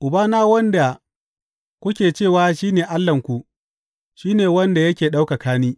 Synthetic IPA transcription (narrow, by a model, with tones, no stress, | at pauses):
ʔʊ˨baː˦naː˦wɐ˦nda˨ | kʷʊ˦kʲeː˨t͡ʃeː˦˨waː˦ʃiː˦neː˨ʔa˦lːɐ˨ŋkʷu˨ | ʃiː˦neː˨wɐ˦nda˨jɐ˦kʲeː˨ɗa˦wka˨kaː˦niː˦